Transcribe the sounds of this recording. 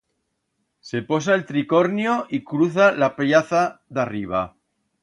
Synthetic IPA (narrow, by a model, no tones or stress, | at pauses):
sepo̞s̬aelt̪ɾikoɾnjoʔikɾuθalapeʎaθaðariβ̞a̰